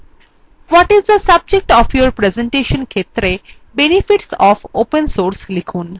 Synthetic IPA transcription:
ʋɔʈizd̪əsɐb̚d͡ʒek̚ʈɔːfjoɾpɾezẽɳʈeʃə̃nkʰet̪ɾe | benifiʈsɔːfopənsoːɾslikʰuːn

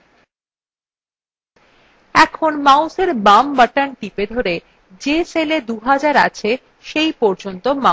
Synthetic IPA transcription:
ɛkʰonmawseɾbambaʈanʈiped̪ʱoɾe | d͡ʑeseled̪uɦad͡ʑaɾa̰t͡ɕʰe | ʃejpɔɾd͡ʑont̪oma

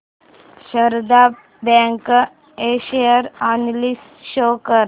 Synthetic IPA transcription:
ɕəɾd̪a | bɛ̃ŋk | eɕijəɾanlis | ɕokəɾ

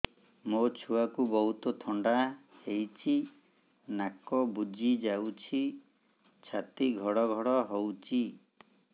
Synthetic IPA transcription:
mot͡ʃʰuakubɔɦut̪ɔt̪ʰɔɳɖahejt͡ʃʰi | nakɔbud͡ʒid͡ʒawt͡ʃʰi | t͡ʃʰat̪iɡʱɔɽɔɡʱɔɽɔɦowt͡ʃʰi

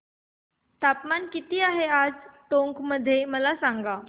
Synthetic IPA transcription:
t̪apmankit̪iːaɦead͡zt̪õŋkməd̪ʱːjeməlasaŋɡa

